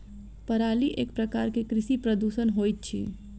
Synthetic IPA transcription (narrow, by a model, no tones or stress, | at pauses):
pəɾaːliʔeːk̚pɾəkaːɾkekɾɪʃipɾəd̪uːʃənɦoːjt̪̚t͡ʃʰḭː